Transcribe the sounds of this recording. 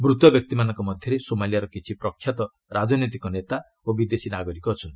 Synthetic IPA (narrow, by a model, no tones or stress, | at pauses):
bɾut̪ɔbjɔk̚t̪imanɔŋkɔmɔd̪ʱjɔɾesomalijaɾɔkit͡ʃʰipɾɔkʰːjat̪ɔ | ɾad͡ʒɔnɔt̪ikɔnet̪a | obid̪esinaɡɔɾikɔːt͡ʃʰɔnt̪i̥